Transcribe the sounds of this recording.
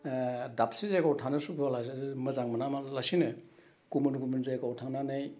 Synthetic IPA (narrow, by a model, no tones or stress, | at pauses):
dap̚sizajkawtʰanɯsubalamɐzaŋmɐnamalasinɯ | kumunkumunzajkawtʰananaj